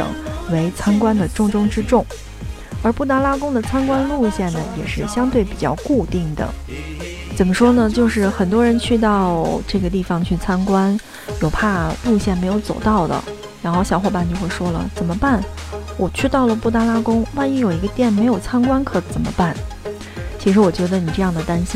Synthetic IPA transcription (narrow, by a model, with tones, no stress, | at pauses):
ŋwe˧˥ɪt͡sʰa˥nkwa˥nd̪ə˨ʈ͡ʂʊ˥˧ŋʈ͡ʂʊ˥ŋʈ͡ʂɻ̩˥ʈ͡ʂʊ˥˩ŋ | ə˞˧˥pu˥˩t̪a˥la˥kʊ˥ŋd̪ə˨t͡sʰa˥nkwa˥nlu˥˧ɕjɛ˥˩nnə˩jɛ̰˨˩ʂɻ̩˥˩ɕjɑ˥ŋt̪we˥˩ɪpi˨˩t͡ɕjɑ̰˥˧ʊku˥˧t̪i˥˩ŋd̪ə̰˩ | t͡sə˨˩nmə˦ʂwɔ˥nə˨t͡ɕjo˥˧ʊʂɻ̩˥˩xə˨˩nt̪wɔ˥ɻə˧˥nt͡ɕʰy˥˧t̪̬ɑ˥˧ʊʈ͡ʂɤ˥˩ɡə˩t̪̬i˥˩fɑ˨˩ŋt͡ɕʰy˥˩t͡sʰa˥nkwa˥n | jo˨˩ʊpʰa˥˩lu˥˧ɕjɛ˥˩nme˧˥ɪjo˧˩ʊt͡so˨˩ʊt̪ɑ˥˩ʊd̪ə̰˩ | ɻa˧˥nxo˥˩ʊɕjɑ˨˩xwɔ˥˩pa˥˧˩nt͡ɕo˥˧xwʂwɔ˥lə̰˨t͡sə˨˩nmə˦pa˥˩nwɔ˨˩t͡ɕʰy˥˧t̪ɑ˥˩ʊlə˩pu˥˩t̪a˥la˥kʊ˥ŋwa˥˧ni˥jo˨˩ʊi˧˥ɡə˧t̪jɛ˥˩nme˧˥ɪjo˨˩ʊt͡sʰa˥nkwa˥nkʰɤ˧˥˩t͡sə˨˩nmə̰˦pa˥˩n | t͡ɕʰi˧˥ʂɻ̩˧˥wɔ˨˩t͡ɕɥɛ˧˥d̪ə˧ni˨˩ʈ͡ʂɤ˥˧jɑ˥˩ŋd̪ə˩t̪a˥nɕi˥